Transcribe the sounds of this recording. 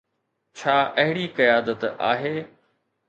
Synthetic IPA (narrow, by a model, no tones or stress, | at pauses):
t͡ɕʰaːʔɐɦɪɽikɐjaːd̪ət̪a̰ːɦeː